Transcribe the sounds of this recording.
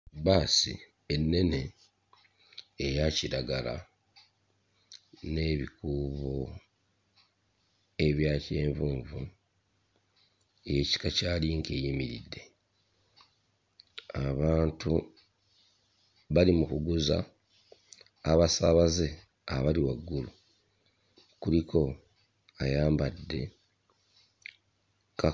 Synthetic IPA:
baːsḭ | enːe̞ne̞ | jaciɾaɡala̰ | ne̞βikuːβo | e̞βjaːce̞ːɱvuːɱvṵ | je̞ci̥kacaːliŋkeːjimiɾḭdːe̞ | aβaːntu | βalimukuɡuza̰ | βasaβaze̞ | aβaliwaɡːulu | kulikʰo̞ | ajaːmbadːe̞̰ | ka

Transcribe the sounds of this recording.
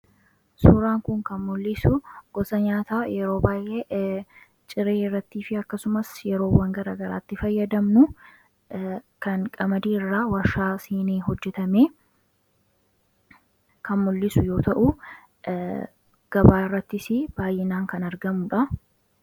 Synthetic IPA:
suːɾaːŋkʊŋkɐnmʊlːɪsʊɡ̥ɔsɐɲaːt̪aːjɛɾo̞ːbaːjʔeː | t͡ʃʼɪɾeːɪrːɐt̪ːiːfɪɐkːɐsʊmɐsjɛɾo̞ːwɐŋɡɐɾaːɡɐɾa̰ːt̪ːɪfɐjːɐd̪ɐmnʊ | kɐnkʼɐmɐd̪iːɪrːaːwɐʃaːsiːneːɦɔd͡ʒːɛt̪ɐmeː | kʰɐnmʊlːɪsʊjo̞ːt̪ɐʔʊ | ɡ̥ɐbaːɪrːɐt̪ːɪsɪb̥aːjʔɛnaːŋkɐnɐɾɡɐmʊᶑɐ

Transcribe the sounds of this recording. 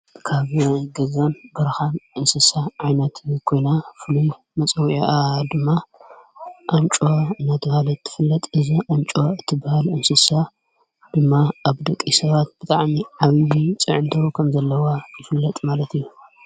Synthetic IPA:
kʰaβɡɐzanbɐɾxanʔɨnsɨsaʕajnɐt̪ʰkʰo̞jnafɨluj | mɐt͡sʼɐwiʔad̪ɨmːa | ʔamt͡ʃʼoɨnːat̪ʰɨbhalt̪ʰːɨ̥fɨlːɐt̪ʼɨziʔamt͡ʃʼoɨt̪ʰːɨbahalɨnsɨsa | d̪̥ɨmːaaβd̪ɐkʼːisɐβat̪̚bɨt̪ʼaʕmiʕaβijit͡sʼɨʕɨnd̪ɐwkʰɐmzɐlːɐwajɪfɨlːɐt̪ʼmalɐt̪ijːu

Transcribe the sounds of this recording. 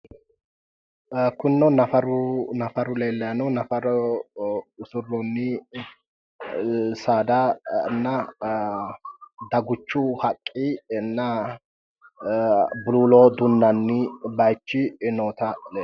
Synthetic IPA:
kʊnːɔnɐfɐɾʊnɐfɐɾʊleːlːɐjɐnɔnɐfɐɾɔ | ʊsʊrːɔnːɪ | saːd̪ɐnːɐ | d̪ɐɡʊt͡ʃːʊhɐkʼːinːɐ | bʊluːloːd̪ʊnːɐnːɪbɐjt͡ʃːɪnoːt̪ɐleː

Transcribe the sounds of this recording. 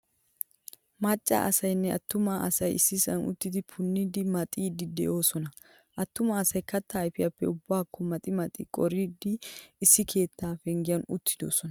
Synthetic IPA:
mɐt͡ʃʼːa̰ʔɐsɐjnːɛɐt̪ːʊmaːʔɐsɐjɪsːɪsɐ̰nʊ̰t̪ːɪd̪ɪpʰʊnːid̪ɪmɐt̪ʼiːd̪ɪd̪ɛ̰ʔo̞ːsɔnɐ | ʔɐt̪ːʊmaːsɐjkɐt̪ːaːjfɪjɐpːɛʊbːaːkːɔmɐt̪ʼɪmɐt̪ʼɪkʼɔɾid̪ːɪːsːɪkʰe̞ːt̪ːaːfɛŋɡɪjɐnʊt̪ːɪ̥d̪o̞̰ːsɔnɐ

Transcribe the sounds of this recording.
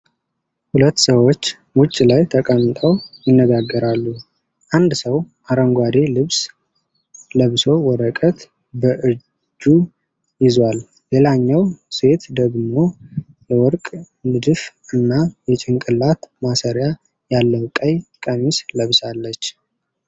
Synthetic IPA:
hulət̪ːsəwo̞t͡ʃː | wʊt͡ʃʼːlajt̪ʰəkʼənt̪ʼəwjɪnːəɡaɡːəɾalːu | ʔand̪səwʔaɾəŋɡʷad̪elɨβs | ləβso̞wɔɾəkʼət̪ | bəʔɨ | d͡ʒːu | jɪzwal | le̞laɲːawse̞t̪d̪əɡmo̞ | jɛwɔɾkʼ | nɨd̪ɨf | ɨnːajɛt͡ʃʼɪŋkʼɨlat̪masəɾja | jalːəwkʼəjkʼəmisləβsalːət͡ʃː

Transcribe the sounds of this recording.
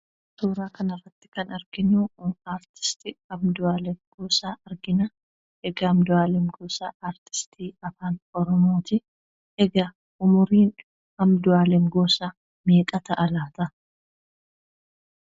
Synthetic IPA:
t̪uːɾaːkʰɐnɐrːɐt̪ːɪ̥kɐnɐɾɡ̥ɪnːuːaːɾt̪ɪ̥st̪ɪɐmd̪ʊaːlɛŋɡoːsaːʔɐɾɡɪnɐ | ɛɡɐɐmd̪ʊaːlɛŋɡoːsa̰ːaːɾt̪ɪ̥st̪ʰiːɐfaːnɔɾɔmo̞ːt̪ɪ | ɛɡɐ | ʊmʊɾiːn | hɐmd̪ʊaːlɛŋɡoːsaː | meːkʼɐt̪ɐʔɐlaːt̪ɐ

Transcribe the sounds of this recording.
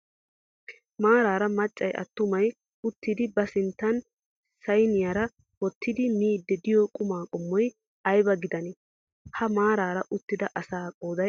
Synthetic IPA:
maːɾaːɾɐmɐt͡ʃʼːɐjʔɐ̰t̪ːʊmɐj | ʊt̪ːɪd̪ɪbɐsɪnt̪ːɐn | sɐjnɪjaɾɐ | wɔt̪ːɪd̪ɪniːd̪ːɛd̪ɪjɔkʼʊmaːkʼɔmːɔj | ɐjbɐɡɪd̪ɐnɛ | hɐmaːɾaːɾɐʔʊt̪ːɪd̪ɐʔɐsaːkʼoːd̪ɐ

